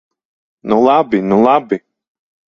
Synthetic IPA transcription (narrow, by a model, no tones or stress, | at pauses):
nulˠabinulˠabi